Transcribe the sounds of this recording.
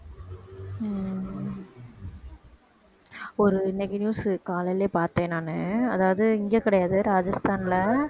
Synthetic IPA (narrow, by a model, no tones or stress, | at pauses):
ɔɾɯnɛɡnjuːskaːlɐleːpaːɾt̪ẽːnaːnɯɐðaːʋɐðɯɪŋɡeːkɪɽɐjaːðɯɾaːd͡ʒɐst̪ʰaːnlɐ